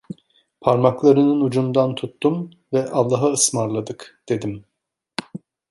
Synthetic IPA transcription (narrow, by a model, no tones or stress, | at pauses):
pʰaɾmaklˠaɾɯnɯnud͡ʒumd̪ant̪ʰut̪ːum | vɛʔalˠːaɦaɯsmaɾlˠad̪ɯkd̪̥e̞d̪im